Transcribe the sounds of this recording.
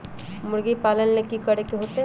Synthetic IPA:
mʊɾɡipaːlənmekikəɾekeɦoːt̪e

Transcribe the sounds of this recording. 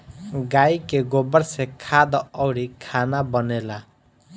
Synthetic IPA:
ɡajkeɡobəɾsekʰad̪ɔɔwɽikʰanabʌnela

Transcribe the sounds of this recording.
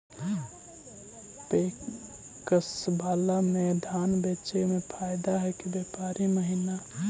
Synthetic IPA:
pe | kəsbʱaːlamed̪ʱaːnbet͡ʃemepʰaɪd̪aɦɛkibjepaːɾiməɦina

